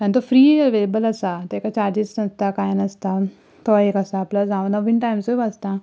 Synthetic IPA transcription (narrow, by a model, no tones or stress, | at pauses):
kãnit̪ofɾiːʋelebələsat̪ekat͡ɕaɾd͡ʑisnəst̪akajnəst̪a | t̪oekəsaːpləd͡zãʋnəʋiːnʈajmsoʋast̪a